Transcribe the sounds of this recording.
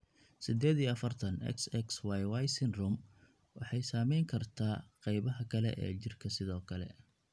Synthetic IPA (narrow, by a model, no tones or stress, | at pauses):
sɪd̪ɛːðiɐfɐrt̪ʰɐnɛ̰ksɛkswajwajsɪnrʊm | wɑ̰ħɑjsaːmɛjŋkʰɐrt̪ʰaːqɑjβɐɦɐkʰɐlɛ̰ʔɛ̰ːt͡ʃɪrkʰɐsɪðɔːkʰɐlɛ̰